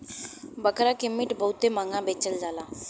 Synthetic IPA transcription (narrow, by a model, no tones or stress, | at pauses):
bəkɾakimːiːʈbʱəut̪emaŋɡãbet͡ɕəld͡zala